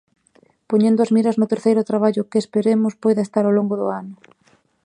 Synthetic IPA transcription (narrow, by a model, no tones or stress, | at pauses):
poɲẽnd̪ʊɐzmiɾɐznʊt̪eɾθejɾʊt̪ɾaβaʎʊkɪespeɾemʊspojðɐest̪aɾawloŋɡʊðʊ̰anʊ